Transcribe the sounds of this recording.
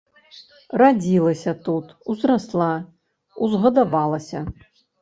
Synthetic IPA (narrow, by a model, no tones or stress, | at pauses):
rad͡zʲilˠɐsʲɐt̪ut̪uzraslˠa | uzɣɐd̪avalˠɐsʲɐ